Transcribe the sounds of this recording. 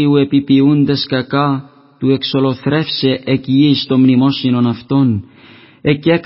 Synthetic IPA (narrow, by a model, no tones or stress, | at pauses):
iue̞pipiund̪e̞skɐkɐ | t̪ue̞kso̞lo̞θɾe̞fse̞ʔeciist̪o̞mnimo̞sino̞nɐft̪o̞n | e̞cek